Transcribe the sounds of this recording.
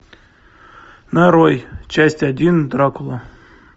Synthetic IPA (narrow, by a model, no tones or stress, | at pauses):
nɐɾojt͡ɕæsʲtʲɐdʲind̪ɾakʊlˠɐ